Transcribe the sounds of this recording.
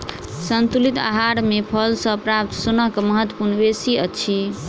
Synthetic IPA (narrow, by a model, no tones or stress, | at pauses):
sənt̪ulit̪a̰ɦaɽmepʰəlsə̃pɾap̚t̪sunəɦkməɦət̪ːwə̥puɾnbesiət͡ʃʰi